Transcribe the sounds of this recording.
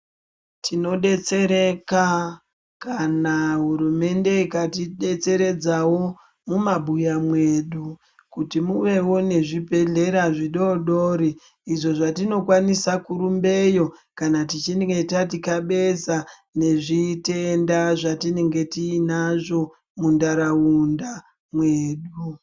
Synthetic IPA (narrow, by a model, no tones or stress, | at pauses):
tʰino̞ɗe̞t͡se̞ɾe̞ka | kanaɦuɾume̞nde̞ikatiɗet͡se̞ɾe̞d͡zawo̞ | mumabʱujamwe̞ɗu | kutimuʋe̞wo̞ne̞ʐipe̞ɮe̞ɾaʐiɗo̞ɗoɾiː | ʐo̞ʐatino̞kwanisakuɾumbe̞jo̞kanatit͡ʃineŋɡetatikaɓe̞sa | ne̞ʐite̞ndaʐatine̞ŋɡe̞tiːnaʐo̞ | mundaɾaunda | mwe̞ːɗu